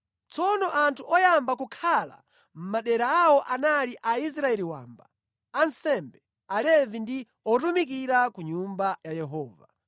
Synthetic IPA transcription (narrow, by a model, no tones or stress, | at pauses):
t͡sɔnɔʔantʰuɔjambakukʰala̰ | m̩maɗɛɾaːwɔʔanaliʔais̬ɾaɛliwa̰ːmba̰ | ansɛmbɛ | alɛvindi | ɔtumik̬iɾakuɲumbajajɛɦɔːva̰